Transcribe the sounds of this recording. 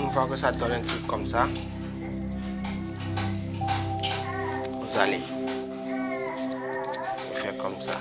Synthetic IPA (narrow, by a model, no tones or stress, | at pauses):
n̩fakʊsadɔlɛn̩tʰukkːɔm̩sa | uzalɪ | ifɛkɔm̩sa̰